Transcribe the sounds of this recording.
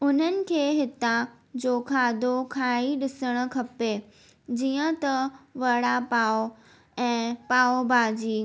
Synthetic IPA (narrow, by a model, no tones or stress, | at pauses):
ʊn̤ənɪ̆kʰeːɦɪt̪a | d͡ʑoːkʰaːd̪ʱokʰaːiɗɪsəɽ̃ə̆kʰɐpe | d͡ʑiːə̃t̪ɐʋɐɽapaːo | ɛ̃ːpaːobʱaːd͡ʑiː